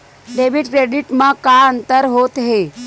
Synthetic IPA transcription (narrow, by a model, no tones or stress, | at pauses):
ɖeʋiɖkɾeɖiʈmãkaənt̪əɾɦot̪ɦe